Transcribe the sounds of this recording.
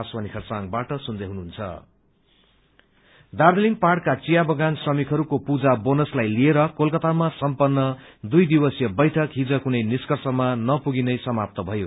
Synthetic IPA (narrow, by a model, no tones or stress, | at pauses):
aswanikʰʌrsaŋbaʈʌsund̪ʌɦunuɦunt͡sʰʌ̰ | d̪ard̪eliŋparɽkat͡sijabʌɡansʌmikʰɦʌɾukopud͡zabonʌslajlieɾʌkolkʌt̪amasʌmpʌnːʌd̪ujd̪ibʌsjʌbʌjʈʰʌkɦid͡zʌkunʌjniskʌrsʌmanʌpuɡinʌjsʌmap̚t̪ʌbʱʌjo